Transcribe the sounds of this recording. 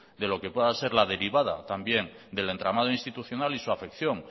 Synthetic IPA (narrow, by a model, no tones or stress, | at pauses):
d̪e̞lo̞kepweðase̞ɾlað̞e̞ɾiβ̞að̞a̰t̪ambje̞ŋ | d̪e̞le̞nt̪ɾamað̞oĩnst̪it̪uθjo̞nalisuafe̞kθjo̞ŋ